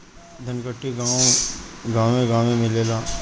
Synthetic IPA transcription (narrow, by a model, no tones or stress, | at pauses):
d̪ʱɐnkəʈːiɡãː | ɡãːẽɡãːẽmɪleːlaː